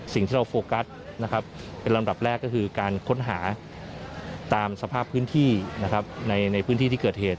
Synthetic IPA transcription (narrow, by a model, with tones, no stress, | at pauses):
si˨˩ŋt̪ʰi˥˩ɾa˧wfoː˧ka˦˥t̚na˦˥kʰa˦˥p̚pe˧nɾa˧mda˨˩p̚ɾɛː˥˩kːɔ˥˩kʰɯː˧kaː˧nkʰo˦˥nɦaː˩˦ | t̪aː˧msa˧pʰaː˥˩pʰːɯː˦˥nt̪ʰiː˥˩na˦˥kʰa˦˥p̚na˧jna˧jpʰɯ˦˥t̪ʰiː˥˩iː˥˩kɤː˨˩t̪̚heː˨˩t̪̚